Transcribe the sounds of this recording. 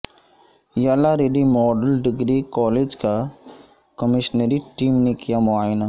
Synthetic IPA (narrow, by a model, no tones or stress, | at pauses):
jaːlaɾeɖimɔːɖəlɖɪɡɾikɔːleːd͡ʒka | kəmɪʃnəɾiʈiːmnekijamʊaːɪna